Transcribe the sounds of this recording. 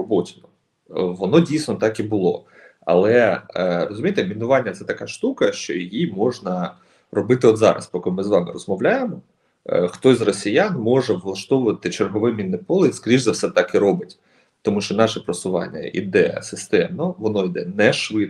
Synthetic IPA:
ɔbɔtʲinɔ | ʋɔnɔdʲijsʲnɔt̪ɑkibʊlˠɔ̰ | ɐ̰lˠɛrɔzʊmʲijt̪ɛmʲinʊʋɑnʲːɐt̪sɛt̪ɐkɑʃt̪ukɐʃt͡ʃɔ̰jijimɔʒnɐ | rɔbɪt̪ɪɔd̪zɑ̰ɾɐ̰spɔkɪlˠmɪzʋɑmɪ̰rɔzmɔʋlʲajemɔ | xt̪ɔsʲzrɔsʲijanmɔʒɛʋlˠɐʃt̪ɔʋʊʋɐt̪ɪt͡ʃerɦɔʋɪmʲinːɪpɔlˠɪiskɾʲiʒzɐwsɛt̪ɑkɪɾɔbɪtʲ | t̪ɔmuʃt͡ʃɔnɑʃɛpɾɐsʊʋɑ̰nʲːɐ̰ʔḭd̪ɛjɐ̰sɪst̪ɛmnɔʋɔnɔid̪ɛnɛʃʋɪd̪

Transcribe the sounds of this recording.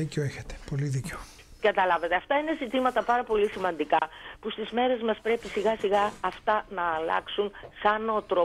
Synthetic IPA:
iceoeçet̪e̥po̞liðiceo | ɡɐt̪ɐlɐve̞t̪e̞ɐft̪ɐine̞zit̪imɐt̪ɐpɐɾɐpo̞lisimɐnd̪ikɐpust̪izme̞ɾe̞zmɐspɾe̞pisiɣɐsiɣɐɐft̪ɐnɐːlɐ̰ksunsɐno̞t̪ɾo

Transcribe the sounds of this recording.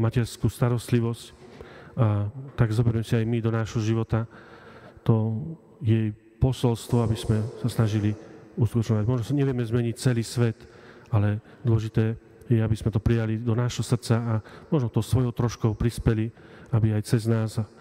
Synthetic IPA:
macɛɾskuːst̪aɾɔst̪liʋɔsc | at̪aɡzɔbɛɾmɛsiajmid̪ɔnaːʒɦɔʒiʋɔt̪a | t̪ɔ | jɛj | pɔsɔlst̪ʋɔabizmɛsasnaʒiliuskut̪ɔt͡ʃɲɔʋaɟmɔʒnɔsaɲɛʋɪɛmɛzmɛɲic̚t͡sɛliːsʋɛt̪ | alɛ | d̪ʊɔʒit̪ɛː | jɛabizmɛt̪ɔpɾijalid̪ɔnaːʃɦɔsr̩t͡saːmɔʒnɔt̪ɔʊsʋɔjɔʊt̪ɾɔʃkɔʊpɾispɛliabiajt͡sɛznaːza

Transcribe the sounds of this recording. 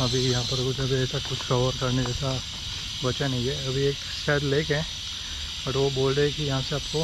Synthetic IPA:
ɐbʱijɐɦãpɐɾkd͡ʒɐbʱieːsakʊt͡ʃʰkɐʋəɾkɐɾned͡ʒasa | ʋɐt͡ʃənɐɦiɛɐbʱieːk | ʃɛːd̪leːkeɦɛ̃ː | bɐʈʋoboːlɾekijɐɦãseaːp̚ko

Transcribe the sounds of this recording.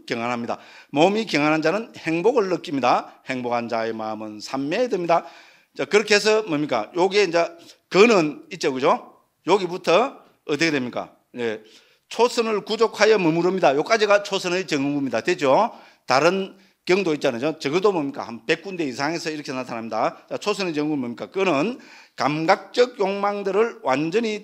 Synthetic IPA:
keŋɦanɦamɲida̰ | momikjeŋɦanɦand͡ʑanɯnheŋboɡɯɭːɯk͈imɲidahe̞ŋboɡhand͡ʑae̞mamɯnsʰamːedemɲida | t͡ɕakɯɾʌkʰes̬ʰʌmomik͈a̰joɡiend͡ʑakɯnɯnit̚t͡ɕ͈oɡɯd͡ʑo | joɡibutʰʌː | t̬ɯkedwemɲik͈a̰ | ne | t͡ɕʰosʰɯnɯɭkud͡ʑokʰhajʌmɯmuɾʌmɲidajok͈ad͡ʑiɡat͡ɕʰosʰɯnɯjt͡ɕɯŋɡumɲidatwed͡ʑo | taɾɯn | kjʌŋdoit̚t͡ɕ͈anaɲot͡ɕʌɡɯdomomɲik͈a̰hanpe̞k͈und̪e̞isʰaŋesʰʌiɾʌkʰenatʰanɦamɲid̪at͡ɕat͡ɕʰosʰɯnet͡ɕɯŋɡumomik͈akɯnɯnkamɡak̚t͡ɕ͈ʌɡ̚joŋmaŋdɯɾɯɭwand͡ʑʌɲi

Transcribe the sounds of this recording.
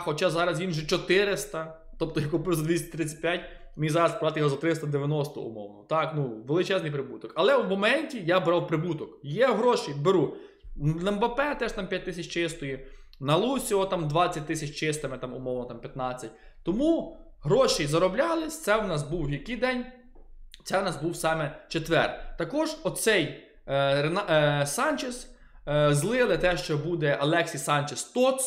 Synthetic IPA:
xɔt͡ʃazɑɾɐsʋʲinʒɛt͡ʃɔt̪ɪɾɪst̪ɐ | t̪ɔp̚t̪ɔjakʊpɪwzɐd̪ʋʲisʲt̪ʲɾɪt͡sʲːɐ̥t̚ʲpjatʲ | mʲijzɑɾɐspɑt̪ɪjɦɔzɐt̪ɾɪst̪ɐd̪eʋʲjɐnɔst̪ɔ̰ʊ̰mɔ̰wnɔt̪ɑknuʋelˠɪt͡ʃɛznɨjpɾɪbut̪ɔkɐlˠɛwmɔmɛnʲtʲijabɾɑwpɾɪbut̪ɔkjɛɦɾɔʃibeɾu | nɐmbɐpɛt̪ɛʃt̪ɑmpʲjat̚ʲt̪ɪsʲɐt͡ʃt͡ʃɪst̪ɔji | nɐlˠusʲiɔt̪ɑmd̪ʋɑt͡sʲːɐt̚ʲt̪ɪsʲɐt͡ʃt͡ʃɪst̪ɪmɪt̪ɑmʊmɔwnɔt̪ɑmpʲjɐt̪nɑt͡sʲːɐt̚ʲ | t̪ɔmu | ɦɾɔʃijzɐɾɔblʲɑlˠɪsʲt̪sɛwnɑs̬buwjʲikijd̪ɛnʲ | t̪sɛwnɑzbuwsɑmɛt͡ʃet̪ʋɛ̰rt̪ɐkɔʒɔsɛj | ɾensɑnʲt͡ʃes | zlˠɪlˠɪt̪ɛʃt͡ʃɔbud̪ɛʔɐlˠɛksʲisɑnʲt͡ʃest̪ɔs

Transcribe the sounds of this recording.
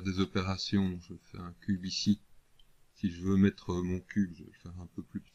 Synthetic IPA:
d̪ezɔpeʁasjɔ̃ʒəfɛ̰ɛ̃kʲybisi | siʒəvømɛt̪χəmɔ̃kʲybʒəɛfɛʁɛ̃pøplypə̥

